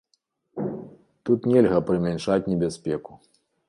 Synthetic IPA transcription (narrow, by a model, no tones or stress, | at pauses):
t̪ut̪nʲɛlʲɣɐpɾɨmʲanʂat͡sʲnʲɛbʲaspʲɛku